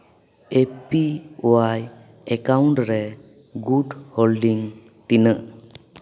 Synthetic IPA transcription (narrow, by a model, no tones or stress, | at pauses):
epiowaj | ɛkawɳʈɾɛ | ɡuɖholɖiŋ | t̪inəʔ